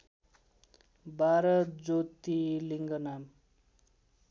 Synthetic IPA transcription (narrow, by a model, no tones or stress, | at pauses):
bʱaɾʌt̪̚d͡zot̪ːiliŋɡʌnam